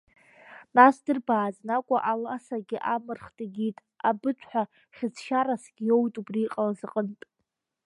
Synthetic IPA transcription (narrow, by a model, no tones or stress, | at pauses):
nasdɨrbaːznakʷʼa̰ʔalasaɡʲɪʔamɨrχtʼɡʲitʼ | abɨtʷʰħʷᶣa | χʲɪd͡zʰʃaɾasɡʲijo̞wtʼubriqʼalazɨqʼəntʼ